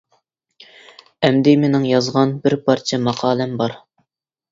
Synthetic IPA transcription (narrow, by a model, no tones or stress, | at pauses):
ɛmd̪ɪmenɪŋjɑzʁɑnbɪɾpʰɑɾt͡ʃʰɛmɑqʰɑːlæmbɑɾ